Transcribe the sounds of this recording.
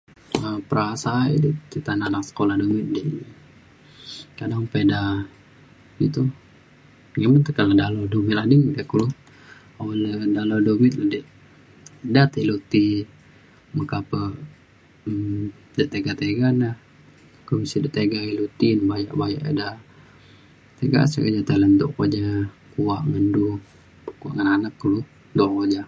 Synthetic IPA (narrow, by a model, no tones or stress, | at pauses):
əpəɾasaidit̪it̪ananaksə̥kolahdomɪt̪̚di | kadaŋpeda | ɡit̪u | ŋamənt̪əkaladalodumɪt̪adiŋdekulu | awaldalodomɪt̪̚ladi | dat̪ilut̪i | məkapə | ə | daʔt̪eɡat̪eɡanah | komisidaʔt̪eɡailut̪inbaja̰ʔbaja̰ʔeda | t̪eɡa̰səkəd͡ʒat̪ələnd̪ɔ̰ʔkod͡ʒa | kuwaʔŋəndu | kua̰ʔŋananakːulu | d̪oʔkod͡ʒa